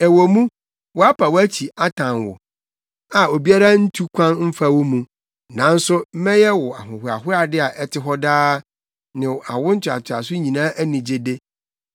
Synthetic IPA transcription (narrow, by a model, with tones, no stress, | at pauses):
ɛ˨wo˨mũ˦ | wɔ˨a˦pʰa˨wæ˦t͡ɕʰi˨a˦tʰã˨nwʊ̰˨ | a˨o˨bi˦a˦ɾa˦n̩˦tʰu˦kʷʰã˦nm̩˦fa˦wʊ˦mũ˨ | nã˨˦n̩˦sʊ˦m̩˦mɛ̃˦jɛ˦wɔ˨a˨ɦʊ̃˨ɦʊ˨a̰˨ɦʊ˦a˨dɪ˦a˨ʔɛ˦tʰɪ˦ɦɔ˦daː˦ | nɪ̃˨a˨wʊ̃˦n̩˦tʰᶣʊ˨a̰˨tʰʊ˨a̰˨sʊ˦ɲĩ˨nãː˦ʔæ˦nĩ˨d͡ʑe˦de˦